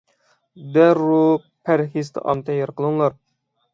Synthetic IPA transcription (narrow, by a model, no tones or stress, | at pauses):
d̪æɾu | pʰæɾχizt̪ʰɨ̰ʔɑ̰mt̪ʰɛjeɾqəlˠɨŋlˠɑɾ